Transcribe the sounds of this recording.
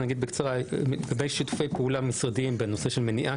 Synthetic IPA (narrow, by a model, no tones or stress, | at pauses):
naɡid̪̚bekt͡saʁaɡabejʃit̪u̥fejpeulamːisʁad̪imbeno̞se̞ʃe̞lme̞niʔa